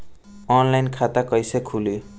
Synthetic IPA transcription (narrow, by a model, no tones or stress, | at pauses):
ɔnlajnkʰat̪akʌjsekʰulo